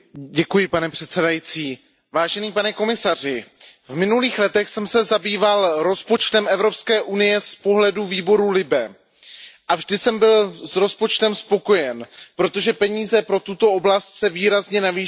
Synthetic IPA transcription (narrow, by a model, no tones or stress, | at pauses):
ɟɛkujɪpanɛpr̝̥ɛt̪sɛdajit͡siː | vaːʒɛniːpanɛko̞mɪsar̝ɪvmɪnuliːxlɛt̪ɛxsɛmsɛzabiːvalɾo̞spo̞t͡ʃt̪ɛmɛvɾo̞pskɛːʔunɪjɛspo̞ɦlɛduviːbo̞ɾulɪbɛ | ʔavʒdɪsɛmbɪlsɾo̞spot͡ʃt̪ɛmspo̞ko̞jɛnpɾo̞t̪o̞ʒɛpɛɲiːzɛpɾo̞t̪ut̪o̞o̞blast̪sɛviːɾazɲɛnaviː